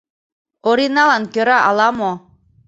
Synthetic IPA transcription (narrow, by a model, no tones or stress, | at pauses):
oɾinɑlankøɾaʔalˠɑmo